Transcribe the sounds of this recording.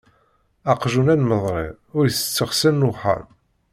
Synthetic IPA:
ɑqʒunænməðˤɾˤḛ | ʊɾjθə̥t͡sːəʁsənːʊħə̰ɾ

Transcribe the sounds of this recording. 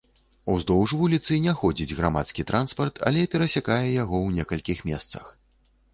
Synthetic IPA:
uzd̪ɔwʐvulʲit̪sɨnʲɛxɔd͡zʲid͡zʲɣɾama̰t̪skʲit̪ɾʔanspɐrt̪ʰa̰lʲɛpʲɛɾɐsʲakajɛjaɣɔwnʲɛkɐlʲkʲixmʲɛ̰st̪sɐ̰x

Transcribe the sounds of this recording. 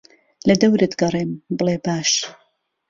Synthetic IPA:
lɐd̪ɐwɾɨt̪ɡɐrˤeːmbɨlˠeːbaːʃ

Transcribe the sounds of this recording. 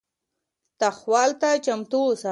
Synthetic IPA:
t̪axwɑlt̪at͡ʃamt̪osa

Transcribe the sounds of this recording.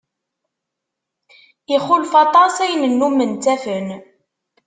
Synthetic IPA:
iχulfɑt̪ˤɑsæjnənːumənt̪æfən

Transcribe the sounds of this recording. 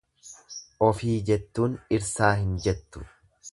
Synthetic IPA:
ʔɔfiːd͡ʒɛt̪ːuːnɪɾsaːɦɪnd͡ʒɛt̪ːʊ̥̰

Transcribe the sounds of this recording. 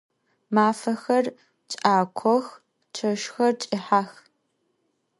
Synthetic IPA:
maːfɐxɐr | t͡ʃʼaːkʷʰɔx | t͡ʃʰɐʃxɐrt͡ʃʼɪħaːx

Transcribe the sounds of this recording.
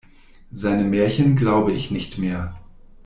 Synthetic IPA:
zaɪnəmɛːɐçənɡlaʊbəɪçnɪçtmeːɐ

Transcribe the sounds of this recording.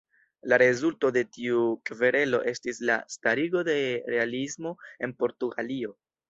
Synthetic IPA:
laɾe̞zulto̞de̞tiukve̞ɾe̞lo̞̰ʔe̞stisla̰staɾiɡo̞de̞ɾe̞alismo̞e̞npo̞ɾtuɡa̰lio̞

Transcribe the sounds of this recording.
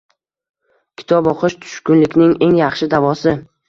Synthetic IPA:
kʲʰɪ̥t̪ʰɒbɒqʰɨʃt̪ʰʊ̥ʃkʊnlɪkʲnɪŋe̞ŋjɑχʃɪd̪avɒsɪ

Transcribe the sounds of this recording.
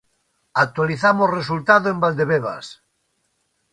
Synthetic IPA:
ak̚t̪waliθamosresult̪aðoẽmbald̪eβeβ̞a̰s

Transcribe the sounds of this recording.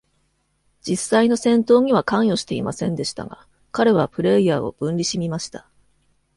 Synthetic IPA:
d͡ʑisaino̞sẽ̞nt̪o̞ːɲ̟iβakãɰ̃jo̞ɕi̥t̪e̞imasẽ̞nd̪e̞ɕi̥t̪a̰ɡa̰ | kaɾe̞β̞apɯ̟ɾe̞ijaːo̞̰b̥ɯ̟̃nʲɾʲiɕimʲimaɕi̥t̪ḁ

